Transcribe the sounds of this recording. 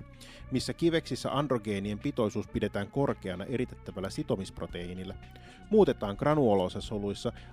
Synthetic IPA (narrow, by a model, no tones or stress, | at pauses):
misːækiʋe̞ksisːæ̰ʔɑndro̞ɡe̞ːnie̞mpit̪o̞jsuːspide̞t̪æːŋko̞rke̞ɑnɑʔe̞ɾit̪et̪ːæʋælːæsit̪o̞mispro̞t̪e̞inilːæ | muːt̪e̞t̪ɑːŋkɡrɑnuolo̞sɑsolujsːɑ